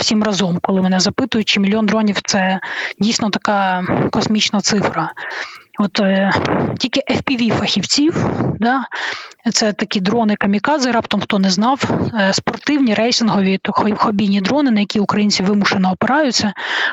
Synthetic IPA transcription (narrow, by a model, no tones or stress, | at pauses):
wsʲimrɐzɔmkɔlˠɪmɛnɛzɐpɪt̪ʊjʊt͡ʃɪmʲilʲjɔnd̪ɾɔnʲiwt̪sɛdʲijsʲnɔt̪ɐkɑkɔsmʲit͡ʃnɐt̪sɪfɾɐ | ɔt̪ | tʲilʲkɪʔɛfpʲiʋʲifɐxʲiwt͡sʲiwd̪ɑ | t̪sɛt̪ɐkʲid̪ɾɔnɪkɐmʲikɑd̪zɪɾɑpt̪ɔmxt̪ɔnɛznɑwspɔrt̪ɪwnʲiɾɛjsʲɪnɦɔʋʲit̪ɔxxɔbʲijnʲid̪ɾɔnɪnɐjɐkʲiʊkɾɐjinʲt͡sʲiʋɪmʊʃenɔːpɪɾɑjʊt͡sʲːɐ